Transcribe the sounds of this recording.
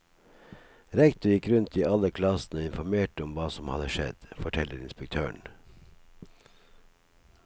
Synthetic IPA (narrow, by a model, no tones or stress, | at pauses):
ɾɛkt̪ʊɾjɪkɾʉnt̪iːʔɑləkʰlɑsn̩oːɪnfɔmeːʈəɔmʋɑːsɔmhɑ̰d̪əʃɛ̰d̪̥fɔʈʰɛləɾɪnspɛk̚t̪ʰøːɳ